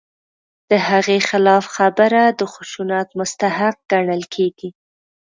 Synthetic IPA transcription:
d̪̥əhaɣexɪlɑfxabəɾad̪əxʊʃunɑt̪mʊst̪ahaq̚ɡ̥aɳəlkʰeɡi

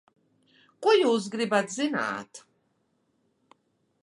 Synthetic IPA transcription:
kʼɔjuːzɡɾibad̪zina̰ːt̪ʰ

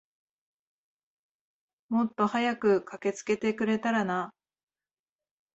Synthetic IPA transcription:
mo̞t̪ːo̞hajakɯ̟kʰake̞t͡sɨ̥ke̞t̪e̞kɯ̟ɾe̞t̪aɾana

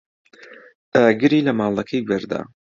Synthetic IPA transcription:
t̪aɡɨɾiːlɐmaːlˠɐkʰɐjɡɛɾd̪a̰ː

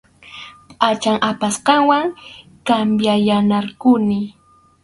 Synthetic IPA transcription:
pʼat͡ʃaŋʔapasqɑŋwaŋkambjajanaɾkʊnɪ

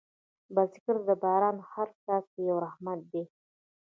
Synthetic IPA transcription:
balsɪ̥kəɾd̪əbɑɾɑnhaɾt͡sasəjawɾahmat̪̚d̪e

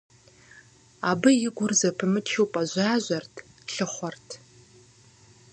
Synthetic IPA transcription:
aːbɨjɪɡʷʊrzɐpʰɨmɨt͡ʃʰiwpʼɐʑʷaːʑʷɐrtʰ | ɬɨχʷɔrtʰ

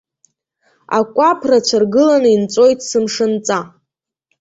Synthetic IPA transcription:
a̰kʷʼapʰrat͡ɕʷʰarɡɨlanɨint͡sʼo̞jtʰʼsɨmʂɨnt͡sʼa

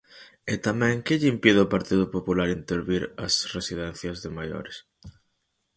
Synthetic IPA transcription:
et̪amɛ̃ŋkɪʎimpiðɪopaɾt̪iðʊpopulaɾint̪eɾβiɾɐ̰sresið̞ɛn̟θjɐzðɪmajo̰ɾɪs

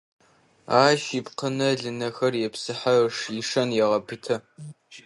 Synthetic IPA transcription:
aːʃipqənɐɮɨnɐxɐrjɛpsɨħaʂiʂɐnjɛʁɐpʰɨtʰɐ

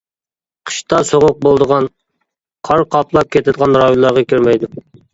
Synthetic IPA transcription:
qʰə̥ʃt̪ɑsoʁʊq̚bolˠd̪əʁɑn | qʰɑɾqʰɑplˠɑp̚kʲʰet̪ɪd̪əqʰɑnɾɑjonlˠɑɾʁɑkʲʰøɾmɛjd̪ʊ

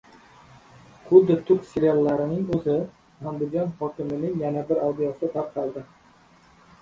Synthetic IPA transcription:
χʊd̪ɪt̪ʰʊkseɾɪalˠːaɾɪnɪŋɵzɪ | amd̪ɪdd͡ʒɒnhɒkʲɪmɪnɪŋjanabɪɾawd̪ɪjɒsɪt̪ʰɑp̚qʰɑlˠd̪ɪ

